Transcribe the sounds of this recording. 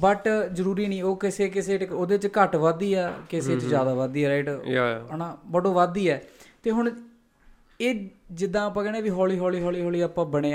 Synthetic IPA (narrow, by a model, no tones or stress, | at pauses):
bəʈzəɾuːɾiːnĩːoːkɪseːkɪseːʈoːd̪eːt͡ʃkəʈʋaːd̪iːɛːkɪseːt͡ʃd͡ʒjaːd̪aːʋaːd̪iːɛːɾeːʈːənãːbəɖoːʋaːd̪iːɛːt̪eːɦʊɳ | eːd͡ʒɪd̪ãːaːpːãːkɛːneːʋiːɦɔːliːɦɔːliːɦɔːliːɦɔːliːaːpãːbəɽeː